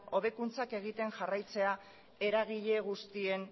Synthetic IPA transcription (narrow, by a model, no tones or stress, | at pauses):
o̞βe̞kunt͡sake̞ɣ̞it̪e̞ŋʝarajt͡se̞a | e̞ɾaɣ̞iʎe̞ɣ̞ust̪ie̞n